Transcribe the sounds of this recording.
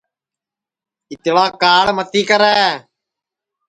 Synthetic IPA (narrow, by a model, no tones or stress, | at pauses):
ɪt̪laːkaːɽmət̪iːkəɾɛː